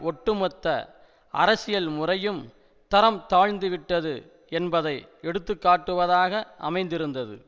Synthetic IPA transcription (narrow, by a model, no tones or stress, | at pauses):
ɔʈːɯmɔt̪ːɐ̰ | ʔɐ̰ɾɐsɪjɐlmʊrɐjɯm | t̪ɐɾɐmt̪aːɻnd̪ɯʋɪʈːɐðɯ | ɛnbɐðɐɪ | ɛɽɯt̪ːɯkːaːʈːɯʋɐðaːɣɐʔɐ̰mɐɪnd̪ɪɾɯnd̪ɐðɯ̰